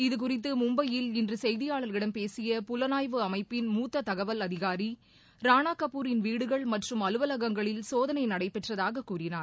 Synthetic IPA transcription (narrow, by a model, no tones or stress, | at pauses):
ɪðɯk̬ʊrɪt̪̬ːɯmʊmbɐjɪlɪndrɯsɛjðɪjaːɭɐɾɪɽɐmpeːsɪjɐpʊlɐnaːjʋɯɐmɐɪpːɪnmuːt̪ːɐt̪ɐɣɐʋɐlɐðɪɣaːɾi | ɾaːnaːkːɐpːuːɾɪnʋiːɽɯɣɐɭmɐʈrɯmɐlɯʋɐlɐɣɐŋɡɐɭɪlsoːðɐnɐɪnɐɽɐɪpːɛʈrɐðaːɣɐkːuːrɪnaːɾ